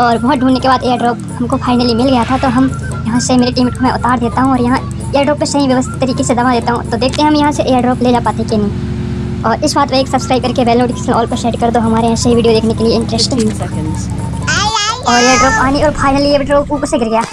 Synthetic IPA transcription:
ɔːɾbɔɦʊt̪̚ɖʱuːnːekebaːd̪eːəɾɖɾoːpɦɐmkopʰaːɪnəlimɪlɡɐjat̪ʰat̪oɦɐm | jɐɦãsemeːɾeʈiːmɪʈkomɛ̃ʔʊt̪aːɾd̪eːt̪aɦũɔːɾjɐɦã | eːəɾɖɾoːpːesɐɦĩʋjɐʋəst̪ʰɪ̥t̪ːɐɾiːkesed̪ɐʋad̪eːt̪aɦũt̪od̪eːkʰt̪eɦɛ̃ɦɐmjɐɦãseʔeːəɾɖɾoːpled͡ʒaːpaːt̪ekinɐɦĩː | ɔːɾɪsbaːt̪ʋeeːksɐbskɾaːb̚kɐɾkeʋɛːloːʈkɪslɔːlpɐɾʃeːɖkɐɾd̪oɦɐmaːɾeɦɛ̃sɐɦĩʋiːɖijod̪eːkʰnekelieɪ̃ɳʈɾɛsʈ | ɔːɾeːəɾɖɾoːpaːniɔːɾpʰaːɪnəlieɖɾoːpuːpəɾseɡɪɾɡɐjaː

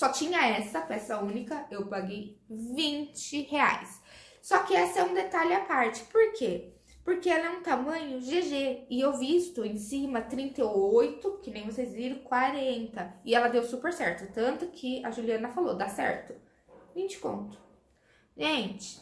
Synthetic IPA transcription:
sɔt͡ʃĩɲɐɛsɐpɛsɐũnikɐewpaɡejvĩnt͡ʃɪhea̰jsː | ɔkɪɛsɛũd̪et̪alɪapaɾt͡ʃɪ̥poɾkʰe | poɾkeɛlɐɛũt̪amɐ̃ɲʊʒeʒeɪewviist̪ʊẽj̃sĩmɐt̪ɾĩnt̪ɐojt̪ʊkɪnẽj̃vosejzviɾʊ̃kwaɾẽnt̪ɐɪɛlɐd̪ewsupeɾsɛɾt̪ʊt̪ɐ̃nt̪ʊkʰɪɐʒuliɐ̃nɐfalod̪asɛ̰ɾt̪ʊ | vĩnt͡ʃɪ̥kõ̰nt̪ʊ̥ | ʒẽt͡ʃɪ̥

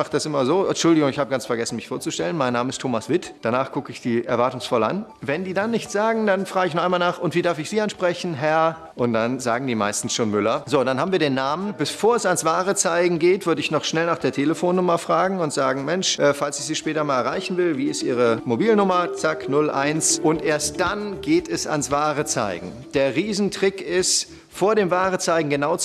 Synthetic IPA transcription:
maχt̚d̥asʔɪmɐzoːʔɛnʃʊldɪɡʊŋɪçhaːbəɡant͡sfɛɐɡɛsn̩mɪçfoːɐt͡suʃtɛlənmaɪnːaːməɪstʰoːmasv̥ɪtd̥anaːχɡ̥ʊkəɪçd̥iːʔɛɐvaɐtʊŋsfɔla̰nvɛndiːdanːɪçtz̥aːɡŋ̩danfʁ̥aːɡəɪçnɔʁχaɪnmalnaːχʔʊntv̥iːdaɐfɪçz̥iːanʃpʁ̥ɛçn̩ɦɛɐ | ʔʊnt̚d̥anzaːɡŋ̩diːma̰ɪstn̩sʃoːnmʏlɐzoːdanhaːbm̩viːɐdeːnːaːmənb̥əfoːɐɛsansv̥aːʁət͡saɪɡŋ̩ɡeːtv̥ʏɐdəɪçnɔχʃnɛlnaːχd̥eːɐtʰeːləfoːnːʊmɐfʁ̥aːɡŋ̩ʊntz̥aːɡŋ̩mɛnʃʔɛːfalsɪçz̥iːʃpɛːtɐmaːlɛɐʁa̰ɪçn̩vɪlviːɪstʔiːʁ̞əmobiːlnʊmɐt͡saknʊlʔa̰ɪnsʔʊntʔeːɐst̚d̥anɡeːtɛsa̰nsv̥aːʁət͡sa̰ɪɡŋ̩ | d̥eːɐʁiːzn̩tʁ̥ɪkɪst | foːɐɾeːmvaːʁət͡saɪɡŋ̩ɡənaʊt͡s

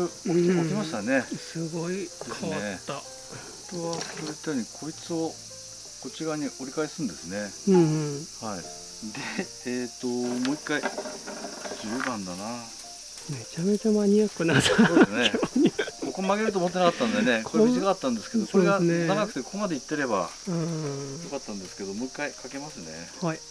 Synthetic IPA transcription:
okʲimaɕi̥t̪ane̞sɨɡoid̪esnet̪ːa | t̪oβasoɾet̪ːaɲ̟ikʰo̞it͡sɨo̞ | kot͡ɕiɡaiɲ̟iʔo̞ɾʲikaesɨ̃nd̪e̞sɨnẽ̞ | hai | d̪e̞ | et̪ːo̞moːikːai | d͡ʑɨːbãnd̪anaː | me̞t͡ɕame̞t͡ɕamaɲiakːɯnasoesnneoko̞komaɡe̞ɾɯt̪̬oːmot̪̬ːeakat̪ːãnod̪enekoʑiɡakat̪ːãnd̪e̞sɨ̥ke̞d̪oko̞ɾe̞ɡaaɡakɯ̟̥t̪ekomad̪e̞it̪ːe̞ɾe̞ba̰ | jokat̪ːãnd̪esɨ̥ke̞d̪o̞mo̞ːikːaikʰake̞masɨne̞̰ | hai

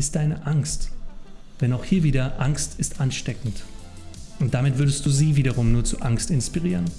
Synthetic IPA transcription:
ɪst̚d̥aɪnəʔaŋst | d̥ɛnaʊxhiːɐviːdɐʔaŋstɪstʔanʃtɛkn̩t | ʔʊntd̥amɪtv̥ʏɐdəstd̥uːziːviːdɐʁʊmnuːɐt͡sṵʔaŋstɪnspiʁ̞iːʁ̞ən

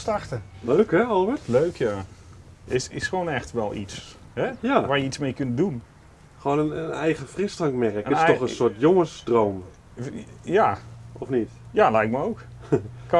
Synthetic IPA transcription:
startəløːkhɛɔlˠʋətløːkʰja | ʔɪsɪsxəʋoːnɛxtʋɛlˠḭts | hɛjaʋaːrjəitsmejkʏntdun | xʋoːnənənɛjɣəfrɪstaŋkmɛrəkəɪnstɔxənsʊɹtjoŋəsdrowm | jaɔfnit | jalɛjk̚məowkk

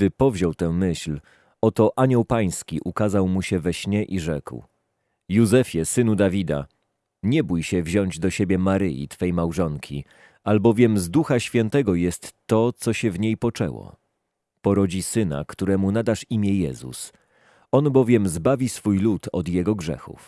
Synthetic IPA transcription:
ɡd̪ɘpɔvʑɔwt̪ɛ̃mɘɕl | ɔt̪ɔʔaɲɔwpaj̃skʲiʔukazawmuɕɛvɛɕɲɛʔiʐɛ̰kw | juzɛfʲjɛsɘnud̪avʲid̪a̰ | ɲɛbujɕɛvʑɔɲd͡ʑd̪ɔɕebʲjɛmaɾɘjḭt̪fɛjmawʐɔŋkʲʰi | albɔvʲjɛmzd̪uxaɕfʲjɛnt̪ɛɡɔjɛst̪ːɔt̪sɔɕɛvɲejpɔt͡ʂɛ̰wɔ̰ | pɔɾɔd͡ʑisɘna̰kt̪uɾɛmunad̪aʂimʲjɛjɛzṵs | ɔnbɔvʲjɛmzbavʲisfujlut̪ɔ̰d̪jɛɡɔɡʐɛ̰xṵf

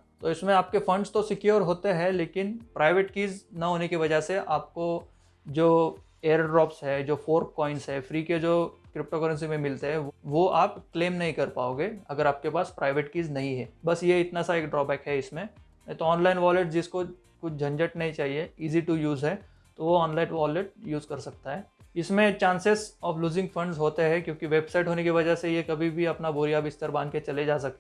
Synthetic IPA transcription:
t̪oːɪsmẽaːp̚kefɐ̃ɳɖst̪osɪkjoːɾɦoːt̪eɦɛleːkɪnpɾaːɪʋeːʈkiːznɐɦoːnekiʋɐd͡ʒəɦseʔaːp̚ko | d͡ʒoː | eːəɾɖɾɔːpsɦɛd͡ʒoːfoːɾkːɔːɪnsɦɛːfɾiːked͡ʒoːkɾɪp̚ʈoːkəɾə̃ns̬imẽmɪlt̪eɦɛ̃ʋoaːp̚kleːmnɐɦĩkɐɾpa̰ːoːɡeːɐɡəɾaːp̚kepaːspɾaːɪʋeːʈkiːznɐɦĩɦɛːbɐsjeɪt̪nasaeːkɖɾɔːbɛːkɦɛɪsmẽ | t̪oɔːnlaːɪnʋɔːleʈd͡ʒɪsko | kʊt͡ʃʰd͡ʒʱɐ̃ɲd͡ʒəʈnɐɦĩt͡ʃaːɦieiːziʈujuːzɦɛ | t̪oʋoɔːnlaːɪnʋɔːleʈ̚juːzkɐɾsɐk̚t̪aɦɛːɪsmẽt͡ʃãːnsesɔːfluːzɪ̃ŋɡfɐ̃ɳɖzɦoːt̪eɦɛ̃kjõːkiʋeːbsaɪʈɦoːnekiʋɐd͡ʒəsejekɐbʱibʱiɐpnabuɾjaːbɪst̪əɾbãnd̪ket͡ʃɐled͡ʒaːsɐk̚t̪e

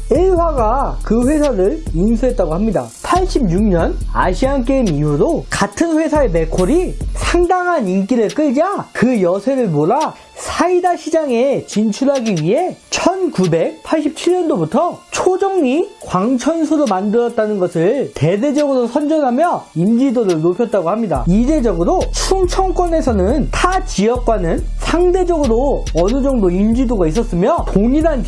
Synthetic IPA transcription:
eɦwaɡakɯɸwe̞sʰaɾɯɾjuŋsʰɯɦe̞t̚t͈aɡohamɲida̰ | pʰaɭɕ͈ʰib̚ɲuk̚ɲʌna̰ɕʰiank̬͈eimiuɾokatʰɯnɸwe̞sʰaeme̞kʰoɾisʰaŋdaŋɦanink͈iɾɯɭk͈ɯɭd͡ʑakɯjʌsʰe̞ɾɯɭmoɾa | sʰaidaɕʰid͡ʑaŋe̞t͡ɕint͡ɕʰuɾɦaɡiɥiɦe̞t͡ɕʰʌnkube̞k̚pʰaɭɕ͈ʰip̚t͡ɕʰiɭɲʌndobutʰʌt͡ɕʰod͡ʑʌŋɲikwaŋt͡ɕʰʌnsʰuɾomandɯɾʌt̚t͈anɯnɡʌsʰɯɭte̞de̞d͡ʑʌɡɯɾosʰʌnd͡ʑʌnɦamjʌind͡ʑidoɾɯɭnopʰjʌt̚t͈aɡohamɲida̰id͡ʑe̞d͡ʑʌɡɯɾot͡ɕʰuŋt͡ɕʰʌŋk͈wʌne̞sʰʌnɯntʰat͡ɕiʌk̚k͈wanɯn | sʰaŋded͡ʑʌɡɯɾo | ʌnɯd͡ʑʌŋdoind͡ʑidoɡais̬͈ʌs͈ɯmjʌpoŋiɾan

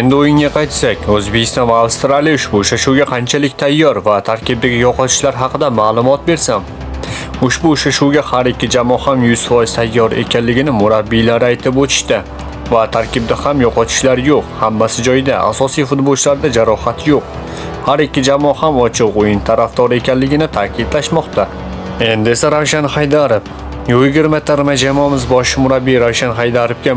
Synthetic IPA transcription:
e̞nd̪ɪojɪŋaqʰɑjt̪sakʲɵzbekʲʰɪst̪ɒnvaːwst̪ɾalˠijʊʃbʊːʃaʃuwɡʲaqʰɑnt͡ʃʰalɪkʲt̪ʰajːɒɾvat̪ʰaɾkʲɪb̚d̪aɡʲɪjɒqʰɒt̪ʰɪ̥ʃlaɾɦɑqʰɨd̪amaːlˠʊmɒt̪̚be̞ɾsam | ʊʃbʊːʃaʃuwɡʲahaɾɪkʲːɪd͡ʒamɒhamjʊz̥fɒjɪz̥t̪ʰajːɒɾe̞̰kʲʰanlɪɡʲɪnɪmʊɾabːilaɾɪajt̪ʰɪpot̪ʰɪ̥ʃt̪ɪ | vat̪ʰaɾkʲɪb̚d̪ahamjɒqʰɒt̪ʰɪ̥ʃlaɾjoqhamːasɪd͡ʒɒjd̪aʔa̰sɒsijfʊt̪bolˠt͡ʃʰlaɾd̪ad͡ʒaɾɒhat̪joq | haɾɪkʲːɪd͡ʒamɒhamɒt͡ʃʰɨqʊjɪnt̪ʰaɾafd̪ɒɾe̞kʲanlɪɡʲɪnɪt̪ʰaːkʲʰɪd̪laʃmɒqt̪a | e̞nd̪e̞saɾawʃanhajd̪aɾɪp | jojɡʲɪɾmat̪ʰaɾmad͡ʒamɒmɪzbɒʃɪmʊɾabːijɾawʃanɦajd̪aɾɪp̚kʲa

